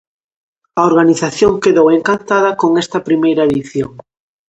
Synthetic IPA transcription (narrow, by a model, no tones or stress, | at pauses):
ɐoɾɣaniθaθjoŋkeðoweŋkant̪aðɐkoŋɛst̪ɐpɾimejɾɐeðiθjoŋ